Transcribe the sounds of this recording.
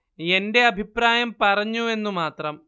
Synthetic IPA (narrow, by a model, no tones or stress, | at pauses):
e̞nde̞ɐbʱipraːjɐmpɐrɐɲːue̞nːumaːt̪rɐm